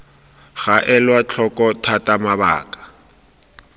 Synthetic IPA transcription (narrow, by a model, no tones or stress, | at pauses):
ɣaʔɛlwat͡ɬʰɔkʼɔtʰatʼamaba̰ːkḁ